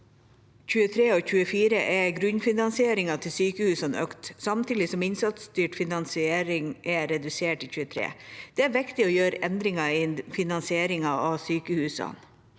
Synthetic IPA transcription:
çʉːət̪ʰɾeːoːçʉːəfiːɾəʔɛɡɾʉnfɪnɑnsɪeːɾɪŋɑt̪ʰɪlsyːkəhʉːsɑnø̰kt̪sɑmt̪ʰiːd̪ɪsɔmɪnsɑt̪st̪yːʈfɪnɑnsɪeːɾɪŋʔɛɾɛd̪ʉseːʈiçʉːət̪ʰɾḛːd̪̥ɛæɾʋɪkt̪ɪojøːɾɛnd̪ɾɪŋɑɪfɪnɑnsɪeːɾɪŋɑɑʋsyːkəhʉːsɑ̰n

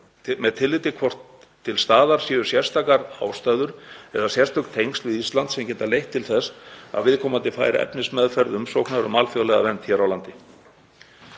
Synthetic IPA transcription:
mɛðt̪ʰɪlːɪt̪ɪkʰvɔr̥t̪ʰː | ɪlst̪aːðaɾ̥sjɪːðʏsjɛr̥st̪ʰaːkaɾa̰ːwst̪aːɥðʏɾ̥ɛ̰ðasjɛr̥t̪ʏkt̪ʰejŋst̪vɪðist̪lant̪sɛmcɛːt̪alejht̪ʰːɪlθɛsa̰ðvɪðkʰɔːmant̪ɪfa̰ːjɾa̰ʔɛ̰pnɪsmɛðfɛɾðʏmsowknaɾʏmaːlfjœðlɛɣa̰vɛnt̪çɛɾawlant̪ɪ

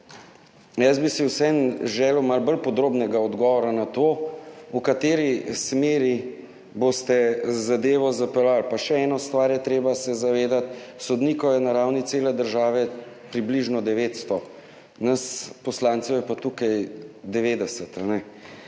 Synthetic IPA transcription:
jəzbisiwsɛnʒɛːlwmalbəlpɔd̪ɾoːbnɛɡaɔd̪ɡɔʋɔɾanat̪oukat̪eːɾismeːɾi | bost̪ɛzad̪eːʋɔzapɛlalpaʃɛɛːnɔst̪ʋaɾjɛt̪ɾeːbasɛzaʋeːd̪at̪sɔd̪niːkɔjɛnaɾawnit̪seːlɛd̪əɾʒaːʋɛ | pɾibliʒnɔd̪ɛʋet̪st̪ɔ | naspɔslaːnt̪sɛwjɛpat̪ukajd̪ɛʋeːd̪ɛsət̪anɛ

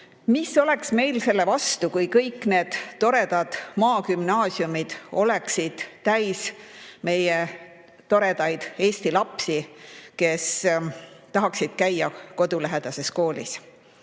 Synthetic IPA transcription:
misːo̞le̞ksme̞jlse̞lːe̞vɑst̪ukujkɤjkːˑne̞ːd̪̥ːo̞ɾe̞d̪̥ɑd̪̥mɑːkymnɑːsiumid̪̥o̞leksid̪̥t̪æjsme̞je | t̪o̞ɾe̞d̪̥ɑjd̪̥e̞ːsʲt̪ilɑpsike̞s | t̪ɑɦɑksid̪̥̚kæjːɑko̞d̪ulæɦe̞d̪̥ɑse̞sko̞ːlḭs

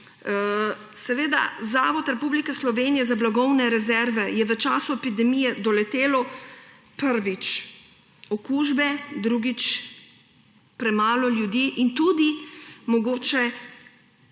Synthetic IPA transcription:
sɛʋeːd̪a̰zaːʋɔt̪ɾɛpublikɛslɔʋeːnijɛzablaɡɔwnɛɾɛzɛɾʋɛjɛʋət͡ʃaːsuɛpid̪ɛmijɛd̪ɔlɛt̪eːlɔ | pəɾʋit͡ʃ | ɔkuːʒbɛd̪ɾuɡit͡ʃ | pɾɛmaːlɔljud̪iːʔint̪ud̪imɔɡoːt͡ʃɛ

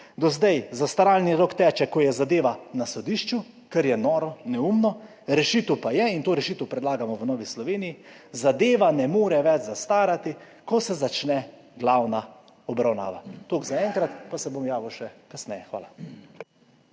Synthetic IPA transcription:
d̪ɔzd̪ajzast̪aɾaːlniɾokt̪ɛːt͡ʃɛkɔjɛzad̪eːʋanasɔd̪iʃt͡ʃu | kɛɾjɛnɔːɾɔnɛumnɔ | ɾɛʃit̪əwpajɛint̪oːɾɛʃiːt̪əwpɾɛd̪laːɡamɔʋənɔːʋislɔʋeːnijizad̪eːʋanɛmoːɾɛʋɛt͡ʃzast̪aːɾat̪i | kɔsɛzat͡ʃnɛ | ɡlawna | ɔbɾawna̰ːʋat̪oːɡzaɛŋkɾat̪pasɛbomjaːʋiwʃɛkasnɛjɛxʋa̰ːla

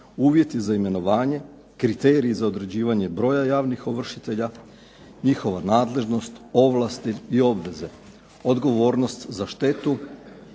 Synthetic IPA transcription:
uːʋje̞t̪izaime̞no̞ʋaːɲe̞ | kɾit̪e̞ːɾiːzao̞d̪ɾe̞d͡ʑiːʋaɲe̞bɾo̞ːjajaːʋnixo̞ʋr̩ʃit̪e̞ʎa | ɲixo̞ʋanaːd̪le̞ʒno̞st̪o̞ʋlˠast̪iio̞bʋe̞ze̞ | o̞d̪ɡo̞ʋo̞ːɾno̞st̪zaʃt̪e̞t̪u

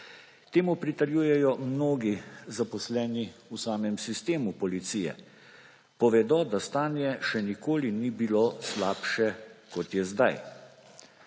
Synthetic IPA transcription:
t̪eːmupɾit̪ɛɾjuːjɛjɔmnoːɡizapɔslɛːniusaːmɛmsist̪eːmupɔlit̪siːjɛ̰ | pɔʋɛd̪ɔd̪ast̪aːnjɛʃɛnikoːlinibiloslaːpʃɛkɔt̪jɛzd̪aj

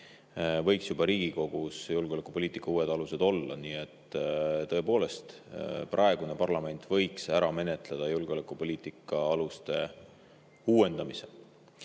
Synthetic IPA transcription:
vɤjksjubɑɾiːɡ̥iko̞ɡ̥usjulɡeolekːˑupo̞liːt̪ˑikːˑɑuːwe̞d̪̥ɑluse̞d̪o̞lːɑ̰niːe̞t̪ːˑt̪ɤ̞e̞po̞ːle̞st̪prʔɑeɡ̥une̞pɑrlɑme̞nt̪ːˑvɤ̞jksæɾɑme̞net̪ˑled̪̥ɑjulɡ̥eo̞lekˑupo̞lʲiːt̪ˑikːˑɑɑlust̪e̞ | uːwe̞nd̪̥ɑmise̞

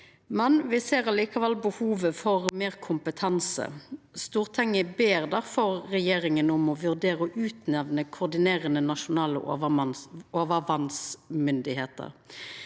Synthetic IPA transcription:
mɛnʋɪseːɾɑliːkɑʋɛlbəhuːʋəfɔʁmeːʁkʰʊmpət̪ʰɑnsə̰st̪uːʁt̪ʰɛŋəbeːʁd̪æʁfɔɾːɛjeːʁɪŋənʊmɔʋʉʁd̪eːʁəɔʔʉːt̪nɛʋnəkʰʊʁd̪ɪneːʁənənɑʃʊnɑːlə̰ | oːʋəʋɑnsmʏnd̪ɪheːt̪ə̰ɾ

